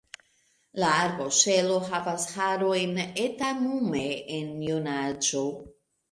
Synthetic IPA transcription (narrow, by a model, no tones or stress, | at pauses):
laːɾboʃe̞lo̞ɦavashaɾo̞jnetanumeenjonad͡ʒo